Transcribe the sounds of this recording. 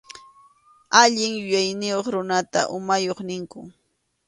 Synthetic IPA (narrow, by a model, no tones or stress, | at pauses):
aʎɪŋjʊjajnɪjoχɾʊnat̪a̰ʔʊmajoχnɪŋkʊ